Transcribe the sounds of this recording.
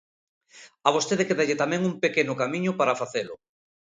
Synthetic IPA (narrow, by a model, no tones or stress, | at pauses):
aβost̪eðekeðeʎɪt̪amɛ̃ŋumpekenʊkamĩɲʊpaɾafaθelʊ̰